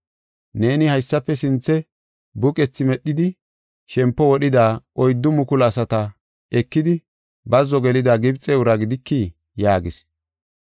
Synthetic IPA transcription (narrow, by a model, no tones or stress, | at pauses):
ne̞ːnɪhɐjsːɐpːɛsɪnt͡sːɛ | bʊkʼɛt͡sːɪmɛɗːɪd̪ɪ | ʃɛmpːɔwɔɗɪd̪aːʔɔjd̪ːʊmʊkʊlɐsɐt̪ɐ | ɛkːɪd̪ɪ | bɐzːɔɡɛlɪd̪aːɡɪbt͡sʼːɛʊɾɐɡɪd̪ɪkːiː | jaːɡɪs